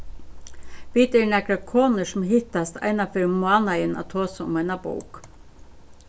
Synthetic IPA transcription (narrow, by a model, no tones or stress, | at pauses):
ʋiːt̪əɳækɾɑkʰoːnəsmhɪt̪ɑst̪ʰæ̰ɪnɑfœɾmʊɑːnɑɪənʔɑ̰t̪ʰoːsəʊ̰mæɪnɑbṵːk